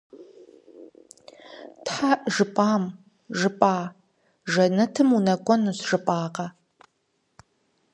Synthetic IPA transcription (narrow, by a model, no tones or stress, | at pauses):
tħaʒɨpʼaːm | ʒɨpʼaː | ʒɐnɐtʰɨmunɐkʷʼɔnuɕʒ̥ɨpʼaːqɐ